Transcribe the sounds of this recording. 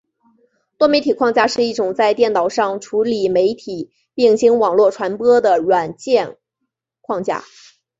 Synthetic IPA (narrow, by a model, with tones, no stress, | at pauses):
t̪wɔ˥me˧˥ɪt̪ʰi˨˩kʰwɑ˥˧ŋt͡ɕja˥ʂɻ̩˥˧i˥˩ʈ͡ʂʊ˨˩ŋt͡sa˥˧ɪt̪jɛ˥˩nt̪ɑ˨˩ʊʂɑ˥˩ŋʈ͡ʂʰu˧˥li˨˩me˧˥ɪt̪ʰi˨˩˦ | pi˥˩ŋɕi˧˥ŋwɑ˨˩ŋlwɔ˥˩ʈ͡ʂʰwa˧˥npɤɔ˥d̪ə˨ɻwa˨˩nt͡ɕjɛ˥˧n | kʰwɑ˥˧ŋt͡ɕja̰˥˩